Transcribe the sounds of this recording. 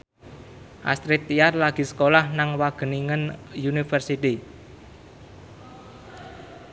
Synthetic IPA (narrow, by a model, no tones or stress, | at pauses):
ʔa̰st̪ɾɪt̪ːiarlaɡ̥i̤sə̥kolahnaŋwaɡ̥ə̤niŋənjunifərsit̪i